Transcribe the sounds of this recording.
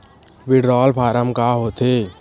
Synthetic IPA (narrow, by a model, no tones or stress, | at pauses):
ʋɪɖɾɔːlpʰaːɾəmkaːɦoːt̪ʰeː